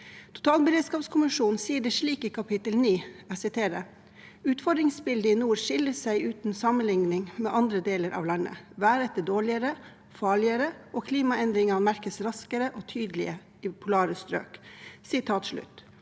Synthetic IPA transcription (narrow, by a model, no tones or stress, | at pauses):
t̪ʰʊ̥t̪ʰɑːlbəɾeːd̪skɑːpskʰʊmɪʂuːn̩siːəɖɛʂɭiːkiːkʰɑpʰɪt̪əlniːæsɪt̪ʰeːɾə | ʉːt̪fɔɖdɾɪŋsbɪld̪əinuːɾʂɪləsæɪʉːt̪n̩sɑmənlɪŋnɪŋmḛːʔɑnd̪ɾəd̪eːləɾʔɑ̰ːʋlɑnːə̰ʋæːɾɛt̪ːəɖoːɭɪəɾə | fɑːɭɪəɾəʔokʰliːmɑɛnd̪ɾɪŋɑnmæɾkəsɾɑskəɾəʔoːt̪ʰyːd̪əlɪ̰ə | ɪpʰʊlɑːɾəst̪ɾø̰ːksɪt̪ʰɑːt̪ʂɭʉ̰t̪